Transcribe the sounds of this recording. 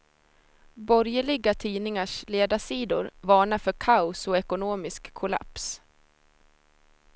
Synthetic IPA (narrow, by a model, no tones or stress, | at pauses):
bɔɾjəɭɪɡat̪ʰiːnɪŋaʂleːd̪aʂiːd̪ʊ̰ɾvɑːɳafœɾkʰaʊsɔɛkʊnoːmɪskʰːʊla̰ps